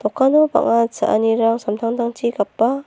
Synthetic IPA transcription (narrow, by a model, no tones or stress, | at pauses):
t̪ɔkʰːanɔpa̰ŋasa̰ʔa̰niɾaŋsamt̪ʰaŋd̪aŋt͡ʃiɡapːa